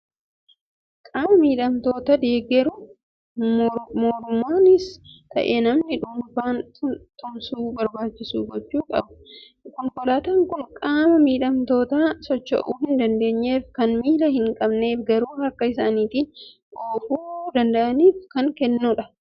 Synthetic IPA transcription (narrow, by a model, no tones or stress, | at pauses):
kʼaːmɐmiːᶑɐmt̪o̞ːt̪ɐd̪e̞ːɡɛɾʊ | moːɾʊmːoːnɪst̪ɐ̰ʔeːnɐmnɪᶑʊmfaːntt̪ʼʊmsuːbɐɾbaːt͡ʃːɪsṵːɡɔt͡ʃːuːkʼɐ̰bɐ | kɔŋkɔlaːt̪ɐŋkʊnkʼaːmɐmiːᶑɐmt̪o̞ːt̪aːsɔt͡ʃːɐ̰ʔuːhɪnd̪ɐnd̪e̞ːɲːeːfkɐnmiːlɐhɪŋkʼɐbne̞ːfɡɐɾuːhɐkːɐɪsaːniːt̪ɪ | ɡoːfuːd̪ɐnd̪ɐʔɐniːfkɐŋkɛnːuᶑɐ̥